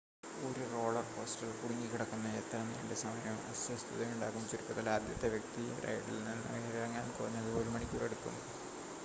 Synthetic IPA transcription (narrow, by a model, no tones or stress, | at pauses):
oɾuro̞ːɭɐrpo̞ːsʈɐlkuɽiŋːikiɽɐkːunːɐet̪ːɐɾɐnːijɖesɐmɐjɐmɐ̰sjɐst̪ʰiðɐmuɳɖaːɣumt͡ɕiɾukːɐðɐlaːd̪jɐt̪ːe̞ʋjɐk̚t̪iɾɐ̰jʈːilnɐnːɨʋɾɐŋːaːnkorɐɲːɐðɨoːɾumɐɳikʲːṵːreɽukːunːɐ